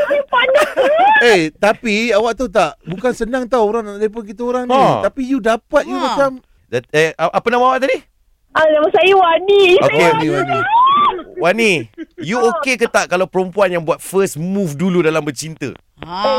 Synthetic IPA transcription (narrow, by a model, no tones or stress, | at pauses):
ipanaet̪apiawaʔt̪ut̪aʔbukansənãŋt̪awoɾaŋnaʔdap̬onk̬it̪əoɾaŋnt̪apijudapat̪̚jumat͡ʃam | daʔapanamaawaʔt̪adi | anamasajuwaniokenĩwani | wanijuokekət̪aʔkalawpəɾəmpuanjaŋbuat̪̚fəsmufduludalambət͡ʃint̪ə̰